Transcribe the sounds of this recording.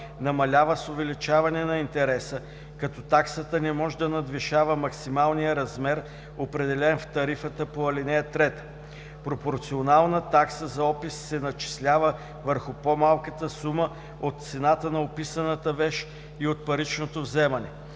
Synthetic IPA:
nɐmɐlʲavəsovɛlit͡ʃavɐnɛnɐint̪ɛɾɛsə | kɐt̪ɔt̪aksət̪ənɛmɔʒɛd̪ɐnɐd̪viʃavəmɐksimalˠnijəɾɐzmɛɾ | opɾɛd̪ɛlɛnft̪ɐɾifət̪əpoɐlinɛjət̪ɾɛt̪ə̥ | pɾopoɾt̪sionalˠnət̪aksəzɐɔpisːɛnɐt͡ʃi̥slʲavə | vəɾxʊpomalˠkət̪əsumə | ot̪̚t̪sɛnat̪ənɐopisənət̪əvɛʃ | iot̪̚pɐɾit͡ʃnot̪ovzɛmɐnɛ

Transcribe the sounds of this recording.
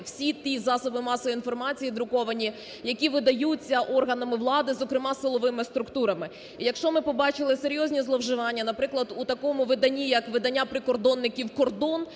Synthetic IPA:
wsʲit̪ʲizɑsɔbɪmɑsɔʋin̪fɔrmɑt͡sʲijid̪ɾʊkɔʋɐnʲi | jɐkʲiʋɪd̪ɐjut͡sʲːɐʔɔrɦɐnɐmɪʋlˠɑd̪ɪzɔkɾɪmɑsɪlˠɔʋɪmɪst̪ɾʊkt̪uɾɐmɪ | ijɐkʃt͡ʃɔmɪpɔbɑt͡ʃɪlˠɪse̞ɾʲjɔzʲnʲizlˠɔwʒɪʋɑnʲːɐnɐpɾɪklˠɐd̪ut̪ɐkɔmʊʋɪd̪ɐnʲijɐkʋɪd̪ɐnʲːapɾɪkɔrd̪ɔnːɪkʲiwkɔrd̪ɔn

